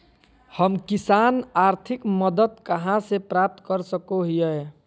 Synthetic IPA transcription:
hʌmkisanaɾt̪ʰikmʌd̪ət̪kəɦãsepɾap̚t̪kʌɾsəkoɦijəe

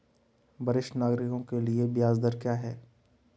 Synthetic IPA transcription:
bɐɾɪʃnaːɡɾɪkõkeliebjaːzd̪əɾkjaːɦɛː

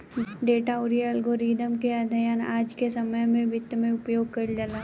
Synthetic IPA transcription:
ɖeːʈaoɾijəlɡoɾiːd̪ʱəmkead̪ʱɐjaːnaːd͡ʒkesɐməjmẽbʱɪt̪ːmẽʊpjoːɡ̚kɐld͡ʒəla

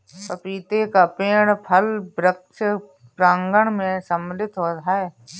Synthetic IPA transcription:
pəpiːt̪ekapeːɽ̃pʰəlbɾəkʃə | pɾãːŋɡəɽmẽsəmlɪt̪ɦoːt̪ae

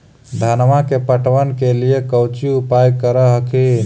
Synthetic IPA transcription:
d̪ʱənʋakepəʈʋənkelijekəwt͡ʃiupajkəɾəɦəkʰin

